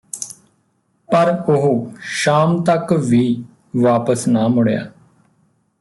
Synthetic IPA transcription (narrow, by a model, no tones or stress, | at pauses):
pəɾʊɦoːʃaːmt̪əkʋiː | ʋaːpəsnaːmʊɽeja̰ː